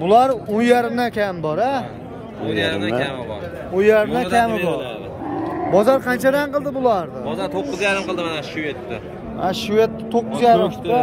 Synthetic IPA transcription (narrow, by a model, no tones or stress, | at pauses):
bʊlˠaɾonjaɾɪmd̪akʲʰambɒɾa | aɾɾamɪb̰ɾ | onjaɾɪmd̪ak̪ʲʰamɪbɒɾ | bɒzaɾqʰɑnt͡ʃʰad̪anqɨlˠd̪ɪbʊlˠaɾd̪ɪbɒzaɾt̪ʰoqːʊzjaɾɪmqʰɨlˠd̪ɪmanaʃuvet̪ːɪ | ʃuvet̪ːɪt̪ʰːoqːʊzjaɾɪa